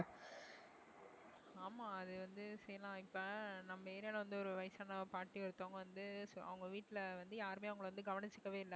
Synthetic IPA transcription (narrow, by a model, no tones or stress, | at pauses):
aːmaːɐðɯʋɐnd̪ɯsɛjːɐlãːɪpːɐnɐmːɐeːɾjaːlɐʋɐnd̪ɯɔɾɯʋɐɪsaːnɐpaːʈːiɔɾɯt̪ːoːŋɡɐʋɐnd̪ɯsɐ̰ʋɐŋɡɐʋiːʈːɪlɐʋɐnd̪ɯjaːɾɯmeːɐʋɐŋɡɐɭɐʋɐnd̪ɯɡɐʋɐnɪt͡ʃːɯkːɐʋeːɪlːɐ